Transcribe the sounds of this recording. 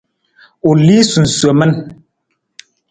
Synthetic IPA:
u˨li˦su˨n̩˨swə˨mɛ˦n

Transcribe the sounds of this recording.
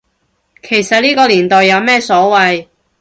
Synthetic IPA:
kʰe˨˩jsɐ˨t̚liː˥kɔː˧liː˨˩nt̪ɔː˨jːɐ˨˧wmɛː˥sɔː˨˥wɐ˨j

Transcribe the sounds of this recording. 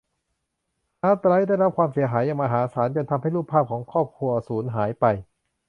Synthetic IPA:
ʔaː˧˦˩t̪ɾaː˧˦˥daː˥˩jɾa˥p̚kʰwaː˧msi˨˩˦ɐɦaː˩˦jːa˧ŋmʔaː˧ɦaː˩˦saː˩˦nt͡ɕo˧nt̪ʰa˧mha˥˩jlɾuː˥˩pʰːaː˥˩p̚kʰɔː˩˦ŋkʰɔː˥˩p̚kʰu˧ɐsuː˩˦nɦaː˩˦jpa˧j

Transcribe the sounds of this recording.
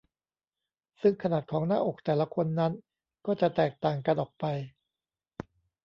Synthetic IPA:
sɯ˥˩ŋkʰa˧naː˨˩t̪̚kʰɔː˩˦ŋnaː˥˩ʔo˨˩k̚t̪ɛː˨˩la˦kʰo˧nːa˦˥n | kɔː˥˩t͡ɕa˨˩t̪ɛː˨˩k̚t̪aː˨˩ŋka˧nʔɔː˨˩k̚pa˧j

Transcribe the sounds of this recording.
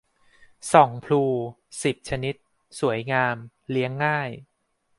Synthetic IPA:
sɔ˩˦ŋpʰluː˧ | si˨˩p̚t͡ɕʰa˧ni˦˥t̪̚ | su˨˩˦əjŋaː˧m | li˦˥əŋːaː˥˩j

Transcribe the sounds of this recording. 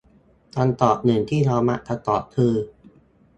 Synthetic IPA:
t̪a˧nt̪ɔː˨˩p̚nɯ˨˩˦ŋt̪ʰiː˥˩ɾɔː˧ma̰˦˥ʔt̪ʰa˧t̪ɔː˨˩p̚kʰɯː˧

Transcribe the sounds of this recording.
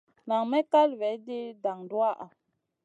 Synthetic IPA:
na˨ŋmɛ˦ka˦lvɛ˨˦di˦da˨ŋdu˦a˦˨ʔa˨

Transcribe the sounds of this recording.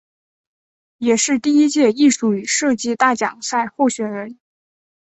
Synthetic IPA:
jɛ˨˩ʂɻ̩˥˧t̪i˥˩i˥t͡ɕjɛ˥˧i˥˧ʂu˥˩y˨˩ʂɤ˥˧t͡ɕi˥˧t̪a˥˩t͡ɕjɑ̰˨˩ŋsa˥˧ɪxo˥˩ʊɕɥɛ˨˩nɻə˧˥n

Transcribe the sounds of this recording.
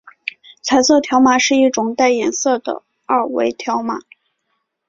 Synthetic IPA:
t͡sʰa˨˩ɪswɤ˥˩t̪ʰjɑ˧˥ʊma˨˩ʂɻ̩˥˧i˥˩ʈ͡ʂʊ˨˩ŋt̪a˥˩ɪjɛ˨˩nsɤ˥˩d̪ə̰˩ | a˥˧wḛ˧˥ɪt̪ʰjɑ˧˥ʊma̰˨˩˦

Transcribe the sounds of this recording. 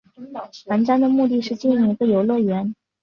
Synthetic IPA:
na˧˥nʈ͡ʂa˥nd̪ə˨mu˥˧t̪i˥˧ʂɻ̩˥˧t͡ɕi˥˩nɻu˥˧˩ŋi˧˥ɡə˧jo˨˩ʊlwɤ˥˩ɥɛ˧˥n

